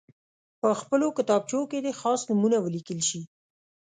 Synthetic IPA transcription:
pəxpəlokɪt̪ɑb̚t͡ʃoked̪exɑsnumunawəlikəlʃi

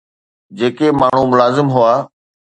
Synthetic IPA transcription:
d͡ʑeːkemaːɳ̤ũmʊlaːzɪmɦʊaː

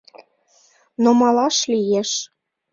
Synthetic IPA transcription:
nomɑlɑʃlijeʃ

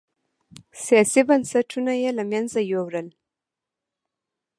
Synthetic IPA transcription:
sijɑsibansaʈʰunajelamjanzajowɾəl

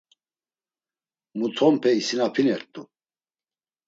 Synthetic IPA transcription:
mut̪ʰɔmpʰɛisinapʰinɛɾt̪ʼu

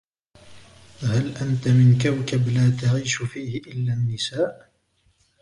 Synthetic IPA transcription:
halʔant̪amɪnkawkablaːt̪aɣiːʃfiːhɪʔɪlːaːnːɪsaːʔ

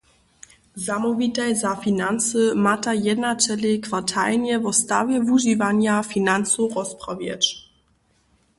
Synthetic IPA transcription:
zamɔvit̪ajzafinansəmatajɛd̪nat͡sɛlekvatʰa̰lnɛvɔst̪avʲjɛvuʒivaɲafinansuʁɔspʁɔvjɛ̰t͡ɕ

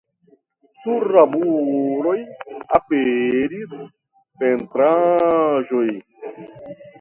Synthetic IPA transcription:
suɾːabuɾojapeɾis | pent̪ɾa | ʒoj

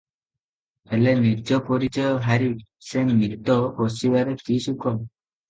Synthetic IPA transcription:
elenid͡ʒɔpɔɾit͡ʃɔjɔɦaɾisenmit̪ɔposibaɾetisukɔm

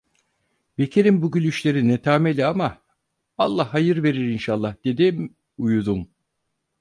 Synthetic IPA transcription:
be̞cʰeɾimbuɟylʲyʃlʲe̞ɾinɛt̪ʰaːmelʲiama | alˠːahːajɯɾve̞ɾiɾinʃalˠːahd̪e̞d̪im | ujud̪um

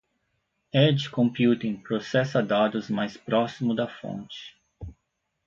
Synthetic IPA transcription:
ɛd͡ʒkõmpjut̪ĩŋpɾosɛsɐd̪ad̪ʊzmajspɾɔsimʊd̪ɐfõ̰nt͡ʃɪ̥

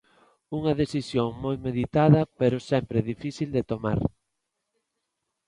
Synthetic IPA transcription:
uŋɐðeθisjoŋmojmeðit̪aðɐpeɾʊsɛmpɾɪðifiθild̪et̪oma̰ɾ

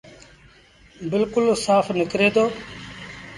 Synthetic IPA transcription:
bɪlkʊlsaːfʰnɪkɾeːd̪oː

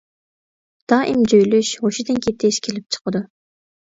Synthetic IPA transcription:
d̪̥ɑːʔimd͡ʒøjlyʃhoʃid̪ɪnkʲʰet̪ʰːeʃkʲʰelɪp̚t͡ʃʰə̥qəd̪u

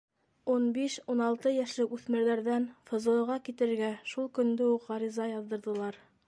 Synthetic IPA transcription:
unbiʃunɑlˠt̪ɤjæʃlɘkʉθmɘ̆ɾðæɾðænfɤ̆zɤ̆ɤ̆ʁɑkit̪ɘ̆ɘ̆ɾɡæʃulˠkɵ̆nd̪ɘuqʁɑɾizɑjɑðːɤ̆ɾðɤ̆lˠɑɾ

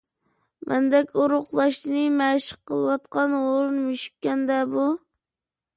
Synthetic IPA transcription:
mʔɛ̰nd̪ɛkʲoɾʊqlˠɑʃt̪ɨnɨmæʃə̥qːəlˠɨwɑt̪qʰɑnoɾɨnmyʃy̥k̚ʲːɛnd̪ɛbu

